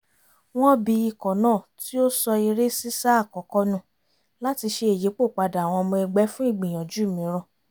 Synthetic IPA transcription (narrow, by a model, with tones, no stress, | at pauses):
w̃ɔ̃˦bi˧i˧˨kɔ̃˨nãː˦˨ti˦o˦sɔ˧i˧ɾe˦si˦sa˦˨kɔ˨˦kɔ˧˦nũ˦˨ | la˦ti˧ʃe˧e˨je˨˦k͡po˦˨k͡pa˧da˨w̃ɔ̃˧mɔ̃˧ɛ˧ɡ͡bɛ˨˦fũ˦i˦˨ɡ͡bĩ˨j̃ɔ̃˨d͡ʒu˨˦˨mĩ˨˦ɾɔ̃˦˧˨